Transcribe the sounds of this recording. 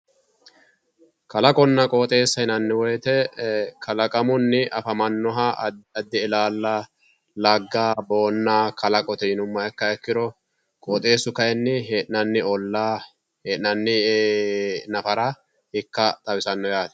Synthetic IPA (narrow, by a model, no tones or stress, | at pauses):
kɐlɐkʼɔnːɐkʼoːt̪ʼe̞ːsːɐɪnɐnːɪwɔjt̪ɛkʰɐlɐkʼɐmʊnːɪʔɐfɐmɐnːɔɦɐɐd̪ːɪɪlaːlːɐ | lɐɡːaːbo̞ːnːaːkɐlɐkʼɔt̪ɛnʊmːɐɛkːɐɛkːɪɾɔ | kʼoːt̪ʼe̞ːsʊkɐjɛnːɪɦeːʔnɐnːɪɔlːaː | heːʔɪnɐnːɪ | nɐfɐɾɐ | ɪkːɐt̪ʼɐwɪsɐnːɔjaːt̪ɛ̥